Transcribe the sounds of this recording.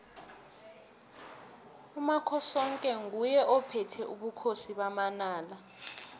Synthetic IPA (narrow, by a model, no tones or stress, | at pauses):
umakʰɔsɔŋkʼɛŋujɛʔɔpʰɛtʰɛʔuɓukʰosiɓamanaːla